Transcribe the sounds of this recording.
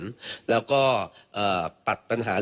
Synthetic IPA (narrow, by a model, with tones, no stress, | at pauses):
nlɛː˦˥wkɔː˥˩ʔɤː˨˩pa˨˩t̪̚pa˧nɦaː˩˦l